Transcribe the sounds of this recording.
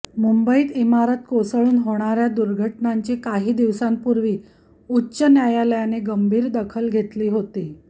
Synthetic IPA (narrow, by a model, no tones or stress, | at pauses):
mumbəiːt̪imaɾət̪̚kosəɭuːnɦoɽ̃aɾjad̪uɾɡʱəʈnaɲt͡ɕekaɦiːd̪iʋsampuɾʋiː | utːɕənjajaləjaneɡəmbʱiːɾd̪əkʰəlɡʱet̪liːɦot̪iː